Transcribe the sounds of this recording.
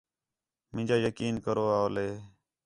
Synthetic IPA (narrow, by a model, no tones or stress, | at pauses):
mɪ̃ːd͡ʒaːjəkiːnkəɾoːaːoleː